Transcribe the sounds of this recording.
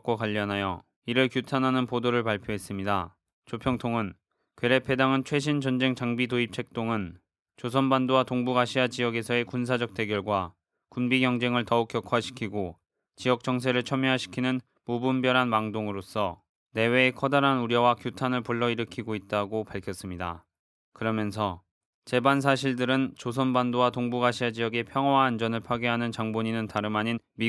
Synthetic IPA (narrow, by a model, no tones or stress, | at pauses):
k͈akwaʎːʌnɦajʌ | iɾɯɭkjutʰanɦanɯnpodoɾɯɭpaɭpʰjoɦe̞s͈ɯmɲida | t͡ɕopʰjʌŋtʰoŋɯn | kweɾepʰe̞daŋɯnt͡ɕʰwe̞ɕ̬ʰint͡ɕʌnd͡ʑe̞ŋt͡ɕaŋbitoip̚t͡ɕʰe̞k̚t͈oŋɯn | t͡ɕosʰʌnbandowatoŋbuɡaɕʰiad͡ʑiʌɡe̞sʰʌe̞kuns̬ʰad͡ʑʌk̚t͈e̞ɡjʌɭɡwa | kumbiɡjʌŋd͡ʑe̞ŋɯɭtʌuk̚k͈jʌkʰuaɕʰi̥kʰiɡo | t͡ɕijʌk̚t͡ɕ͈ʌŋs̬ʰe̞ɾɯɭt͡ɕʰʌmjoɦaɕʰi̥kʰinɯn | mobumbjʌɾɦanmaŋdoŋɯɾos͈ʌ | ne̞we̞ːkʰʌdaɾɦanuɾjʌwakjutʰanɯɭpuɭːʌiɾɯkʰiɡoit̚t͈aɡopaɭkʰjʌs͈ɯmɲida̰ | kɯɾʌmjʌnsʰʌ | t͡ɕe̞bans̬ʰaɕ̬ʰiɭdɯɾɯnt͡ɕos̬ʰʌnbandowatoŋbuɡaɕʰiad͡ʑijʌɡe̞pʰjʌŋɦwaɦand͡ʑʌnɯɭpʰwaɡeɦanɯnt͡ɕaŋboɲinɯntaɾɯmaɲinmi